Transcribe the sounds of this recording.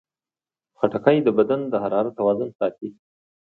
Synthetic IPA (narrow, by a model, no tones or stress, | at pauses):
xaʈakajd̪əbad̪and̪əhaɾɑɾat̪ːawɑzʊnsɑt̪i